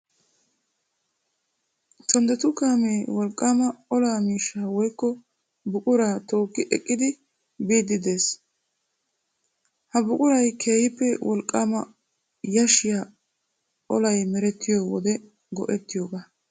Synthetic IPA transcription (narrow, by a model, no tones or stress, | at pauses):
t͡ʃɔnd̪ɛt̪ʊkaːmeːwɔlkʼːaːmɐɔlaːmiːʃːaːwɔjkːɔ | bʊkʼʊɾaːt̪o̞ːkːɪʔɛ̰kʼːɪd̪ɪ | biːd̪ːɪd̪e̞ːs | hɐbʊkʼʊɾɐjkʰeːhɪpːɛwʔɔlkʼːaːmɐ | jɐʃɪja | ɔlɐjmɛɾɛt̪ːɪjoːwɔd̪ɛ | ɡɔʔɛt̪ːɪjoːɡa